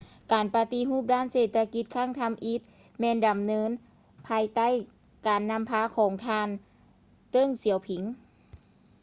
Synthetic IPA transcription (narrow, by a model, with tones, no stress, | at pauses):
kaː˨˩npa˧t̪i˧˥ɦuː˥˩p̚daː˥˩˨nseː˧˩t̪̚ʰːa˧ki˧˦t̪̚kʰaː˥˩˨ŋt̪ʰa˧˨mʔi˧˦˥t̪̚ | mɛː˧nda˨mnɤː˧˥n | pʰaː˧jt̪a˥˩˨j | kaː˨˩nːa˧mpʰaː˧˥kʰɔː˨˩˦ŋt̪ʰaː˧n | t̪ɤ˧˥˨ŋsi˨˩˦wpʰi˨˦ŋ